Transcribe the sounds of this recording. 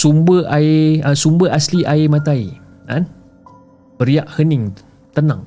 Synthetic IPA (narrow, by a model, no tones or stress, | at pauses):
sumbəaeəsumbəʔasliʔaemãt̪ai | nã̰n | bəɾiaʔhənɪ̃ŋ | t̪əna̰ŋ